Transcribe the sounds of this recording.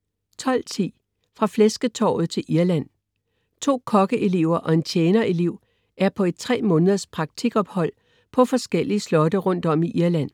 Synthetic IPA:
t͡sʰɒ̽l̰t͡sʰḭː | fʁɑ̈flesɡ̥ət͡sʰɒ̰ːʊð̞̩ˠt͡sʰe̝lʔiɐlæn̰ | t͡sʰo̝̰ːkʰɒ̽ɡ̥əʔe̝le̝ʊ̰ɐʔɒ̽e̝nt͡ɕʰjeːnɐe̝le̝ʊ̰ | ʔæɐpʰɒ̽e̝d̥̚t͡sʰʁɛ̰ːmɔ̽ːnəðˠɐspʰʁɑ̈ɡ̥̚t͡sʰiɡ̥ɒ̽b̥hɒ̽l̰ | pʰɒ̽fɒ̽sɡ̥el̰iəslɒ̽d̥əʁɔ̽n̰d̥ɒ̽miʔiɐlæn̰

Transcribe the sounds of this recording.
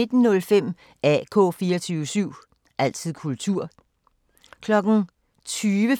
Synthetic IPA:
e̝d̥n̩nɔ̽lfem̰ | æ̰kʰɔ̰̽ːfiːɐɒt͡sʰyːʋəsyʊ̰ | ʔæl̰t͡sʰið̰ˠkʰult͡sʰuɐ̰ | kʰlɒ̽ɡ̥n̩ | t͡sʰyːʋə

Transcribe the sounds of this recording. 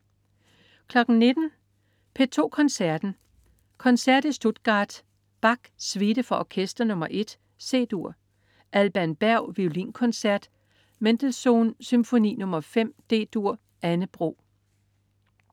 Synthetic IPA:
kʰlɒ̽ɡ̥n̩ne̝d̥n̩ | pʰe̝t͡sʰo̝̰ːkʰɒ̽nsæɐd̥n̩ | kʰɒ̽nsæɐd̥isd̥o̝d̥ɡ̥ɑ̰̈ːd̥ | b̥ɑ̈ɡ̥sʋid̥əfɒɒkʰesd̥ɐnɔ̽mɐʔe̝d̥ | se̝̰ːd̥uɐ̰ | ʔælb̥æɐnb̥æɐ̰ʊʋiʊlinkʰɒ̽nsæɐd̥ | mend̥əlso̝̰ːnsymfo̝nḭːnɔ̽mɐfem̰d̥e̝̰ːd̥uɐ̰ | ʔænəb̥ʁo̝̰ː

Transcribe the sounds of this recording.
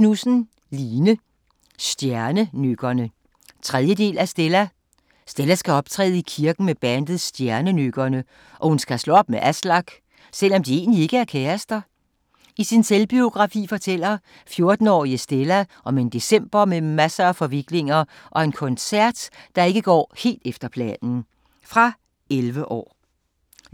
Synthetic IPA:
nusn̩ | liːnə | sd̥jæɐnənøɡ̥ɐnə | t͡sʰʁɛðˠjəde̝̰ːlæsd̥elæ | sd̥elæsɡ̥æɒ̽b̥t͡sʰʁɛ̰ːð̩ˠikʰiɐɡ̥n̩meb̥ænd̥ð̩ˠsd̥jæɐnənøɡ̥ɐnə | ʔɒ̽hunsɡ̥æslɔɒ̽b̥meʔæslɑ̈ɡ̥ | sel̰ɒ̽md̥ie̝̰ːnlie̝ɡ̥əæɐkʰɛæsd̥ɐ | isinselb̥io̝ɡ̥ʁɑ̈fḭːfɒ̽t͡sʰel̰ɐ | fjo̝ɐd̥n̩ɒ̰ːiəsd̥elæʔɒ̽me̝nd̥e̝sem̰b̥ɐmemæsɐæfɒ̽ʋiɡ̥le̝ŋɐ | ʔɒ̽e̝nkʰɔ̽nsæɐ̰d̥ːɑ̈e̝ɡ̥əɡ̥ɒ̰ːhe̝̰ːld̥efd̥ɐpʰlɛ̰ːnn̩ | fʁɑ̈ | elʋəʔɒ̰ː

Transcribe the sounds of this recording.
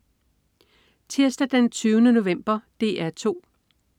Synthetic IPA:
t͡sʰiɐsd̥æd̥ent͡sʰyːʊnəno̝ʋem̰b̥ɐd̥e̝ːæɐt͡sʰo̝̰ː

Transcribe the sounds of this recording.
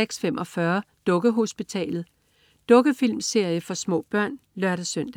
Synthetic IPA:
eɡ̥sfemʔɒ̽fɶɐ | d̥ɔ̽ɡ̥əɦo̝sb̥it͡sʰɛ̰ːlð̞̩ˠ | d̥ɔ̽ɡ̥əfil̰mse̝ɐ̰jəfɒ̽smɔ̰̽ːb̥ɶɐ̰nlɶɐ̰ɾ̥æsøn̰d̥æ

